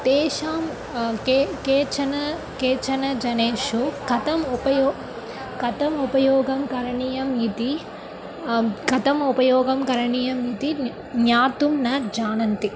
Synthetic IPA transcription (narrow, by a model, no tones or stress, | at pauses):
t̪eːʃaːm | kːkeːt͡ʃɐnɐ | keːt͡ʃɐnɐd͡ʒɐneːʂukɐt̪ɐmupɐjɔː | kɐt̪ɐmupɐjɔːɡɐmkɐɾɐɳijɐmit̪i | ɡɐt̪ɐmupɐjɔːɡɐmkɐɾɐɳijɐmit̪i | njaːt̪umnɐd͡ʒaːnɐnt̪i